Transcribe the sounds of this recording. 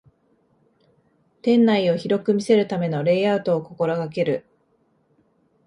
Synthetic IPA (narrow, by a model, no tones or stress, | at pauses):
t̪ẽ̞nːaio̞çiɾo̞kɯ̟mʲise̞ɾɯ̟t̪ame̞no̞ɾe̞ːaɯ̟t̪o̞ːko̞ko̞ɾoɡak̬e̞ɾɯ̟